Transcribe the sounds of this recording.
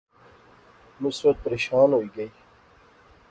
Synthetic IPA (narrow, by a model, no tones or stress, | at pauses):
mʊsbət̪̚pəɾeːɕaːnɦoːiːɡəiː